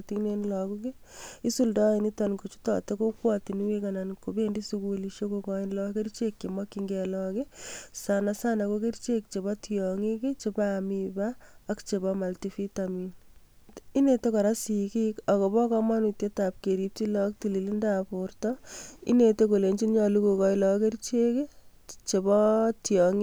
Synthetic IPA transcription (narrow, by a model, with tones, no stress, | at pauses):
tine˦nlɔ˨kuke˦i˦su˦ldɔ˦ɪ˨ni˦tɔnko˨t͡ʃu̥˦tɔ̰˨te˦ko˦kwɔtin˦we˦kana˨nkobe˦ndi˦sukuliʃo˦kokɔ˦ɪnlɔke˦ɾt͡ʃekːe˨ma˦kiŋɡɛlɔkesana˨sa˦nakoke˦ɾt͡ʃe˦k̚t͡ʃe˨ba˦tjɔ˨ŋi˦ke˦t͡ʃe˦bamibaːkt͡ʃe˨bɔma˨ltifi˦tamin | i˦ne˨to˦kɔ˨ɾa˦si˨kika˨ko˨bɔ˦kɔ˦ma˦nu˨tje˦ta˨p̚ke˨ɾi˦p̚ti˦lɔ˦k̚ti˨li˨li˦ndapʊɾtɔḭ˦ne˨toko˨le˨ɲt͡ʃi˦nɲɔ˨lu˦ko˨kɔ˦ɪlɔke˦ɾt͡ʃe˦ke˦t͡ʃe˨bɔ˦tjɔŋi˦